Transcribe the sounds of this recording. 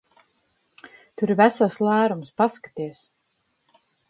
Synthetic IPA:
t̪uɾivæsaslˠæːɾumspaskḁt̪iɛs

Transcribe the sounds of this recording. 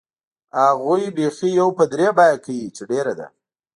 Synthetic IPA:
haɣujbexijawpəd̪ɾebajakawit͡ʃeɖeɾad̪a̰

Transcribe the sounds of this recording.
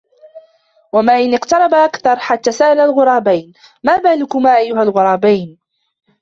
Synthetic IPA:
wamaːʔɪnʔɪqt̪ɑɾˤɑbaʔakθɑɾˤħat̪ːaːsaʔalalɣʊɾˤɑːbajn | maːbaːlʊkʊmaːʔajːʊɦalɣʊɾˤɑːbajn

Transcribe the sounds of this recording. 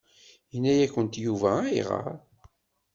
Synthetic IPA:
jənːæjækːənt̪juvææḭʁə̰ɾ

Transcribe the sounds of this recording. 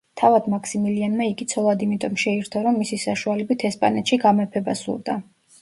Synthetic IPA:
t̪ʰavad̪makʰsimilianmaiɡit̪sʰɔlˠad̪imit̪ʼɔmʃɛiɾt̪ʰɔɾɔmːisisaʃualɛbit̪ʰɛspʼa̰nɛt̪ʃiɡamɛpʰɛbasṵɾd̪a

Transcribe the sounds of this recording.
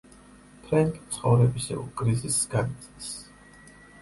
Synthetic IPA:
t̪ʰɾaŋkʼit̪sʰχɔvɾɛbisɛ̰ṵkʼɾizisɡ̥anit̪sʼis

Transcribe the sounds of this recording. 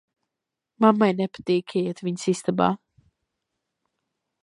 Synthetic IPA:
mamːajnɛpḁt̪iːkʲʰɛjɛt̪viɲsist̪aba̰ː

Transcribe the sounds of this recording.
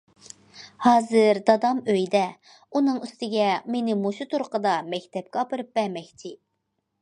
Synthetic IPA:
hɑːzɨɾd̪ɑd̪ɑmøjd̪ɛ | unɨŋyst̪ɪɡʲɛmenɪmuʃut̪ʰuɾqəd̪ɑmɛkʲt̪ʰɛp̚kʲɑpɨɾɨp̚bɛɾmɛkʲt̪ʰɪ

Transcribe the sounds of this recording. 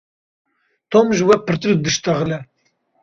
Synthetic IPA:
t̪ʰomʒɨwɛpʰɨɾt̪ɨɾd̪ɨʃt̪ɐɣlɛ

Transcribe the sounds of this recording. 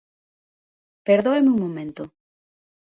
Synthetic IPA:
peɾðoemuŋmõmẽnt̪o

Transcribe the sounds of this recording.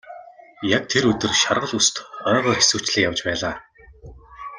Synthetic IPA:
jak̚t̪ʰeɾɵt̪ɘ̆rʃarʁə̆ɮust̪χœːʁœːrxi̥suːt͡ɕɮɘ̆kjawt͡ɕpæːɮaː

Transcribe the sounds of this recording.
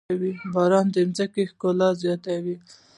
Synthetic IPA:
wibɑɾɑnd̪emzakexkolɑzjɑt̪awi

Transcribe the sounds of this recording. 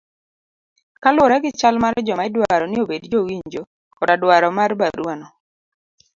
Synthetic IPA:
kalʊɾaɡɪt͡ʃalmaɾd͡ʒɔmaɪdwaɾɔnɪobedd͡ʒowiɲd͡ʒo | kɔdadwaɾɔmarba̰ɾwanɔ

